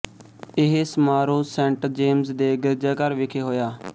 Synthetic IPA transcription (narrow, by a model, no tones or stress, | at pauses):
ɪɦesmaːɾoːsɛ̃ːɳʈd͡ʒeːmzd̪eːɡɪɾd͡ʒaːkəɾʋɪkʰeːɦoːjaː